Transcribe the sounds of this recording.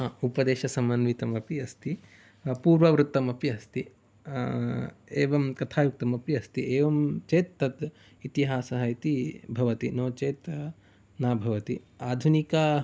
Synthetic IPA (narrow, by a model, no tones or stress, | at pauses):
aupɐd̪eːʃɐsɐmɐnʋit̪ɐmɐpiɐst̪i | puːɾʋɐʋɾut̪ːɐmɐpiɐst̪i | eːʋɐmkɐt̪ʰaːjuk̚t̪ɐmɐpiɐst̪ieːʋɐmt͡ʃeːt̪ːɐt̪ | it̪iɦaːsɐɦɐjt̪ibʱɐʋɐt̪inoːt͡ʃeːt̪ | naːbʱɐʋɐt̪i | aːd̪ʱunikɐ